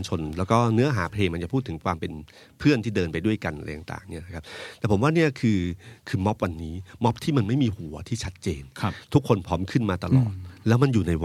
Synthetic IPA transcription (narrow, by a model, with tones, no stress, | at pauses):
nt͡ɕʰo˧nlɛː˦˥wkɔː˥˩nɯ˦˥ɐɦaː˩˦pʰleː˧ŋma˧nt͡ɕa˨˩pʰuː˥˩t̪ʰːɯ˩˦ŋkʰwaː˧mpe˧n | pʰɯ˥˩ənt̪ʰiː˥˩dɤː˧npa˧jdu˥˩əjka˧nʔa̰˧jt̪a˨˩ŋt̪a̰ː˨˩ŋni˦˥ɐna˦kʰa˦˥p̚t̪ɛː˨˩pʰo˩˦mwaː˥˩ni˥˩ɐkʰɯː˧kʰɯː˧mɔ˦˥p̚wa˧nːiː˦˥mɔ˦˥p̚t̪ʰiː˥˩ma˧nma˥˩jmiː˧hu˩˦ɐt̪ʰiː˥˩t͡ɕʰa˦˥t̪̚t͡ɕḛː˧nʰ˦t̪ʰu˦˥kʰːo˧npʰɔː˦˥mkʰɯ˥˩nmaː˧t̪a˧lɔ̰ː˨˩t̪̚lɛː˦˥wma˧njuː˨˩na˧j